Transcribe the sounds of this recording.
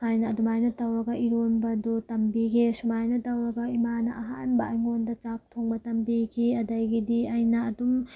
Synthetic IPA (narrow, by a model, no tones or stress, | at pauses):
kʰajnɐɐdumajnɐtɐwɾɐɡɐʔiɾonbɐdutɐmbikʰesumajnɐtɐwɾɐɡɐimanɐʔɐɦa̰nbɐɐjŋondɐt͡ʃap̚tʰoŋbɐtɐmbikʰiɐdɐjɡidiɐjnɐːdum